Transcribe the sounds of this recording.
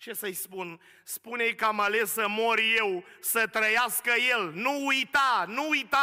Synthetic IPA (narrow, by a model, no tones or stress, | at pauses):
t͡ʃe̞səjspun | spunejkamale̞səmoɾjewsət̪ɾəjaskəje̞lnuːjt̪anuujt̪a